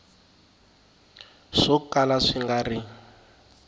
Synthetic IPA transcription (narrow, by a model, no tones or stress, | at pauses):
ʂɔkalaʂiŋɡari